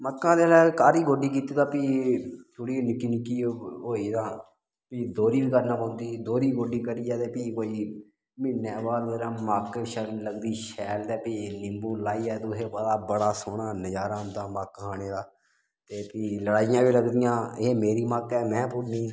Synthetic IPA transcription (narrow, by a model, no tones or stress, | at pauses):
məkːãːd̪eːlaːkaːɾiːɡoːɖiːk̬iːt̪iːd̪ãːpiːt̪ʰʊɽiːnɪkːiːnɪkːiːɦoːiːd̪ãː | piːd̪oːɾiːbkəɾnãːpõːnd̪iːd̪oːɾiːɡoːɖiːkəɾiːaːt̪eːpiːkoːiː | mɪːnaːbaːd̪oːɾaːmaːkʃəɾləɡd̪iːʃɛːld̪ɛːpiːnɪmbuːlaːiːɛːt̪ʊɦeːpəd̪aːbəɽaːsoːɳaːnəd͡ʒaːɾaːmt̪ãːmakɦaːɽ̃eːd̪aː | t̪eːpiːləɽaːɪjãːʋiːləɡd̪ɪjãːeːmeːɾiːmakɛːmɛ̃ːpʊmĩː